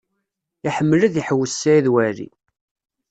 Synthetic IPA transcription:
iħəmːəlæðjəħəwːəsːæiðwæɾḭ

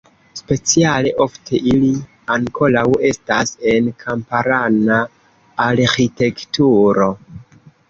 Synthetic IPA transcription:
spe̞t͡siale̞ʔo̞ftʰe̞ʔili | aŋkʰo̞lawe̞stase̞nkʰampaɾanaː | ɾxite̞ktuɾo̞

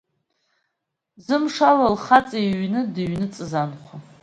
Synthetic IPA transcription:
zɨmʂalalχat͡sʼajɥnɨdɨɥnɨt͡sʼɨzanχʷa

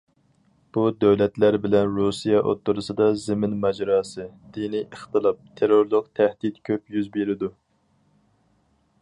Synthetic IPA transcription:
b̥ud̪øwlɛt̪læɾbɪlɛnɾusijɑʔo̰t̪ːuɾɨsɨd̪ɑzɪmɪnmɛd͡ʒɾɑːsɨd̪̥iniʔəχt̪ɨlˠɑp̚t̪ʰeɾoɾlˠʊkt̪ʰæhd̪it̪kʲʰøpjyzbeɾɪd̪u

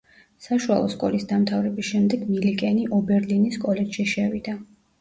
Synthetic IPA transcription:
saʃua̰lˠɔ̰skʼɔ̰lisd̪amt̪ʰavɾɛbisʃɛmd̪ɛɡmilikʼɛniʔɔbɛɾliniskʼɔlɛt͡ʃʃiʃɛvid̪a

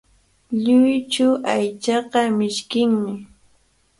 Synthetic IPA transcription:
ʎʊjt͡ʃʊʔajt͡ʃɑqɑmɪʃkɪŋmɪ

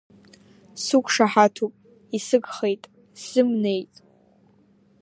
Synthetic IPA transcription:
sukʷʰʼʂaħatʰupʼ | isɨɡχe̞jtʼ | sɨmne̞jtʼ

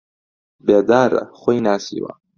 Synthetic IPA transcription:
beːd̪aːɾɐ̰χʷojnaːsḭːwɐ̰

